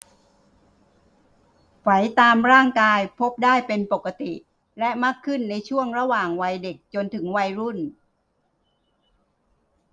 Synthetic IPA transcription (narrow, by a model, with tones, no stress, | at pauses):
fa˩˦jt̪aː˧mɾaː˥˩ŋkaː˧jpʰo˦˥p̚daː˥˩jpe˧npo˨˩kːa˧t̪i˨˩ | lɛ˦˥maː˥˩kʰːɯ˥˩nːa˧jt͡ɕʰu˥˩əŋɾa˧waː˨˩ŋwa˧jde˨˩k̚t͡ɕo˧nt̪ʰɯ˩˦ŋwa˧jɾu˥˩n